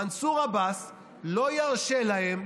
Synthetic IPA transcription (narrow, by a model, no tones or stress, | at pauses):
ansuʁabas | lo̞jaʁʃe̞lahem